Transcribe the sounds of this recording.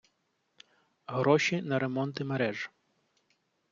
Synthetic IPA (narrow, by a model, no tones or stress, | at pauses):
ɦɾɔʃʲinɐɾe̞mɔnt̪ɪmeɾɛʒ